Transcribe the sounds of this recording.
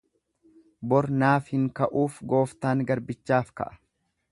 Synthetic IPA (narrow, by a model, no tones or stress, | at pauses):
bɔɾnaːfhɪŋkɐʔuːfɡo̞ːft̪aːŋɡɐɾbɪt͡ʃːaːfkɐ̰ʔɐ̥